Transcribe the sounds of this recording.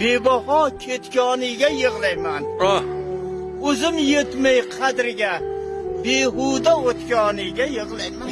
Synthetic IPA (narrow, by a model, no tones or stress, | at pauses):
be̞bɒɦɒkʲʰet̪kʲɒnɪɡʲajɨʁlˠajman | ɵzɪmjet̪majqʰɑd̪ɾɪɡʲa | beɦʊd̪aot̪kʲɒnɪɡʲajɨʁlˠajma